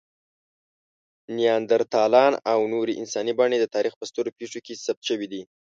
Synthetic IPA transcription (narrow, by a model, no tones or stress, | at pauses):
nijɑnd̪aɾt̪ɑlɑnawnoɾeʔɪnsɑnibɑɳed̪ət̪ɑɾixpəst̪oɾopeʂokesap̚t̪ʃəwid̪i